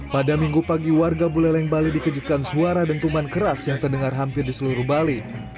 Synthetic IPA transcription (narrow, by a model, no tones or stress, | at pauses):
padamiŋɡupaɡiwarɡabulɛhlaiŋbalidikəd͡ʒut̪̚kansuaɾadant̪umankəɾasjaŋt̪ərdəŋarɦampɪrdisəluɾuhbali